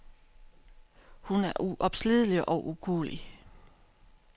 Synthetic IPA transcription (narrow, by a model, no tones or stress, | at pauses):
hunæɐʔuʔɒ̽b̥sliðˠəliʔɒʔuɡ̥o̝̰ːli